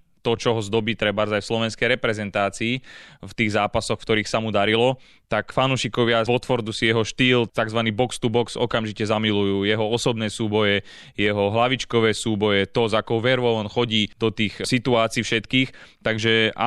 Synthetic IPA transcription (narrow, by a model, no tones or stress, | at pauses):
t̪ɔt͡ʃɔɦɔzd̪ɔbiːt̪ɾɛbaɾzajfslɔʋɛnskɛjɾɛpɾɛzɛnt̪aːt͡siːft̪iːɣzaːpasɔxfkt̪ɔɾiːxsamud̪aɾilɔ | t̪akfanuːʃikɔʋɪavɔt̪ʋɔɾd̪usijɛɦɔʃt̪iːlt̪aɡzʋaniːbɔkst̪ubɔksɔkamʒicɛzamilujuːjɛɦɔɔsɔbnɛːsuːbɔjɛ | jɛɦɔɦlaʋit͡ʃkɔʋɛːsuːbɔjɛt̪ɔzakɔʊʋɛɾʋɔnxɔɟiːd̪̥ɔt̪iːxsit̪uaːt͡siːfʃɛt̪kiːxt̪aɡʒɛa̰